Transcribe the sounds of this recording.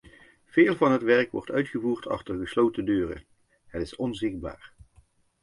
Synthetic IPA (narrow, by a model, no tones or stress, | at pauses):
v̥eːlˠvɑnɦətʋɛɹkʋɔ̰ɹtœɥtχəvuːɹtʰɑ̰χtərχəslowtədøːrə̰ | ɦətɪsɔnzɪχ̚ba̰ːɹ